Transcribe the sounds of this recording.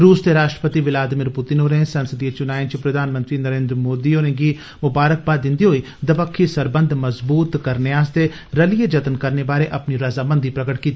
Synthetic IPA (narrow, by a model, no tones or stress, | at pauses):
ɾuːst̪eɾaːʃʈɾə̥pət̪iʋɪlaːd̪ɪmɪɾpʊt̪ɪnɦoːɾẽsənsəd̪iet͡ʃʊnaːẽnt͡ʃipɾəd̪ʱaːnmənt̪ɾiːnəɾẽːnd̪ɾmoːd̪iːonẽːɡiː | mʊbaːɾək̚baːd̪ɪ̃nd̪iːɦoːiː | d̪əpəkʰːisəɾbənd̪məzbuːt̪kəɾneaːst̪e | ɾəlied͡ʒət̪ənkəɾnebaːɾeːʔɐpniɾəzaːbənd̪iːpɾəɡəʈkiːt̪i